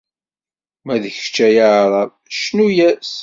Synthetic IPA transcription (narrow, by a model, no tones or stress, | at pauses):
mæðəçə̥t͡ʃːæjaʕɾˤɑ | ʃnujæs